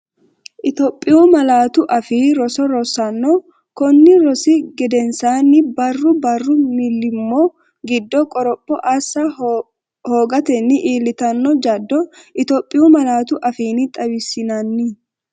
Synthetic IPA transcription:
ʔɪt̪ɔpʼːɪjʊmɐlaːt̪ʊʔɐfiːɾɔsɔɾɔsɐnːɔ | kɔnːɪɾɔsɪɡɛd̪ɛnsaːnːɪbɐrːʊbɐrːʊmɪlːɪmːɔ | ɡɪd̪ːɔkʼɔɾɔpʼːɔʔɐsːɐ | ho̞ːɡɐt̪ɛnːɪʔiːlːɪt̪ɐnːɔd͡ʒɐd̪ːɔʔɪt̪ɔpʼːɪjumɐlaːt̪ʊʔɐfiːnɪt̪ʼɐwɪsːɪnɐnːɪ

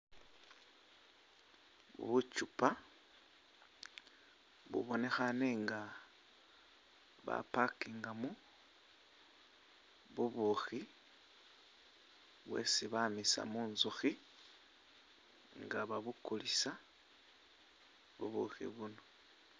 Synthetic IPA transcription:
βṵβut͡ʃupa | βṵβo̞ne̞xaneŋɡa | βa̰pakiːŋɡamu | βuβuxi | βwe̞̰siβamisa̰muːnzuxi | ŋɡaβaβukulisa | βṵβṵxḭβuno

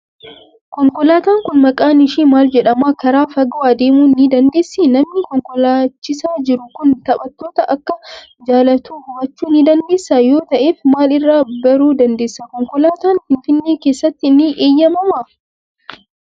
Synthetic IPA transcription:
kɔŋkɔlaːt̪aːŋkʊnmɐkʼaːnɪʃiːmaːld͡ʒɛᶑɐmaːkɐɾaːfɐɡɐwaːd̪eːmuːnːid̪ɐnd̪e̞ːsːinɐmnɪkɔŋkɔlaːt͡ʃːɪsaːd͡ʒɪɾʊkʊnt̪ɐɓɐt̪ːo̞ːt̪ɐʔɐkːɐ | d͡ʒaːlɐt̪uːhʊbɐt͡ʃːuːnid̪ɐnd̪e̞ːsːaːjo̞ːt̪ɐʔeːfmaːlɪrːaːbɐɾuːd̪ɐnd̪e̞ːsːakɔŋkɔlaːt̪aːnfɪnfɪnːeːke̞ːsːɐt̪ːɪnɪʔeːjːɐmɐmaː

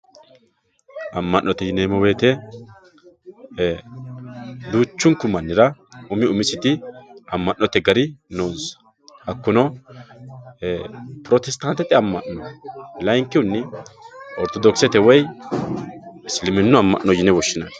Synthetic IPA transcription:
ʔɐmːɐʔnːɔt̪ɛjɪneːmɔwe̞ːt̪ɛ | d̪uːt͡ʃːʊŋkʊmɐnːɪɾɐʊmɪʊmɪsɪt̪ɪɐmːɐʔːɔt̪ɛɡɐɾɪnoːs | ɐkːʊnɔ | pɾɔt̪ɛst̪ɐnt̪ːɛt̪ʼɛɐmːɐʔnɔlɐjŋkːɪʊnːɛ | ɔɾt̪ɔd̪ɔksɛt̪ɛwɛj | ɪslɪmɪnːʊɐmːɐ̰ʔnːɔjɪnɛwɔʃːɪnɐn

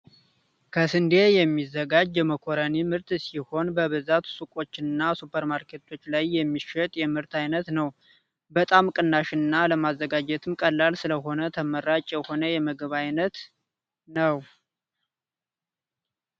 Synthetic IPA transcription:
kʰəsɨnd̪e̞jɛmːizːəɡad͡ʒjɛməkʰo̞ɾənimɨɾt̪siho̞nbəβɨzat̪sukʼo̞t͡ʃːɪnːasupʰəɾmaɾkʰe̞t̪ʰo̞t͡ʃːlajːɛmːiʃət̪ʼjɛmɨɾt̪ʰajnət̪nəw | bət̪ʼamkʼɨnːaʃɨnːaləmazːəɡad͡ʒɛt̪ʰɨmkʼəlːalsɨləɦo̞nət̪ʰəməɾat͡ʃʼjɛho̞nəjɛməɡβajnət̪ | nəw

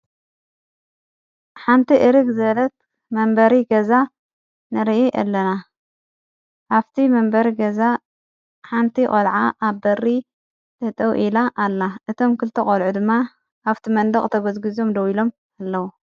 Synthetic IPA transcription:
ħant̪ʰiʔɨɾɨɡzɐlɐt̪̚ | mɐmbɐɾiɡɐza | nɨɾɨʔiʔɐ̰lːɐna | ʔaβt̪ʰimɐmbɐɾiɡɐza | ħant̪ʰikʼɐlʕaʔaβbɐrːi | t̪ʰɐt̪ʼɐwʔilaʔalːaʔɨt̪ʰo̞mkʰɨlt̪ʰɐχʼolʕud̪ɨmːa | ʔaβt̪ʰimɐnd̪ɐχʼt̪ʰɐɡozɡɨzo̞md̪ɐwilo̞m | alːɐwu

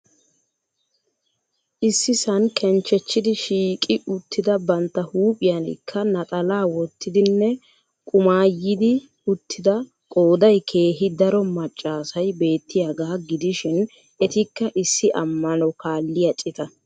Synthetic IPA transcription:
ʔɪsːɪsɐnkʰɛnt͡ʃːɛt͡ʃːɪd̪ɪʃiːkʼɪʊt̪ːɪd̪ɐbɐnt̪ːɐhuːpʼɪjɐnɪ̰kʰːɐnɐt̪ʼɐlaːwɔt̪ʰːɪd̪ɪnːɛ | kʼʊmaːjɪd̪ɪ | ʊt̪ʰːɪd̪ɐ | kʼo̞ːd̪ɐjkʰe̞ːɦɪd̪ɐɾɔmɐt͡ʃʼːaːsɐjbe̞ːt̪ːɪjaɡaːɡɪd̪ɪʃɪn | ɛt̪ɪkːɐʔɪsːɪʔɐmːɐnɔkaːlːɪjɐt͡ʃʼɪt̪ɐ

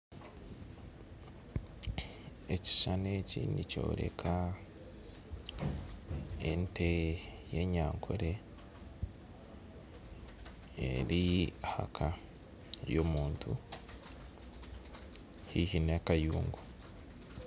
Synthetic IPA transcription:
e̞ci̥ʃanecinico̞̰ːɾe̞̰kʰa | entʰeje̞ɲaːŋkʰoɾe | ḛɾiaha̰kʰa | jomuːntʰu | hihinekajuːŋɡu

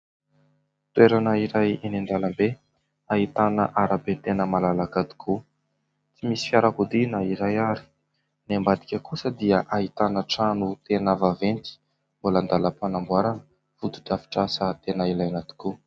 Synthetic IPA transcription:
t̪weɾanəiɾajenend̪alambe | aɦit̪anəʔaɾabet̪enəmalalakad̪i̥kʰu | t͡simisi̥fjaɾakud̪inəiɾajaɾi̥ | nembad̪i̥kʲəkusəd̪iəʔaɦit̪anəʈ͡ʂanut̪enavavent͡si̥ | mbuland̪aləpanambuaɾanə | fud̪u̥ʈ͡ʂafi̥ʈ͡ʂasət̪enailajanat̪u̥ku

